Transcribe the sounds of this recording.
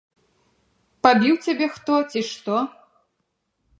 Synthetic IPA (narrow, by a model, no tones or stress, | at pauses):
pabʲiwt͡sʲabʲɛxt̪ɔt͡sʲiʂt̪ɔ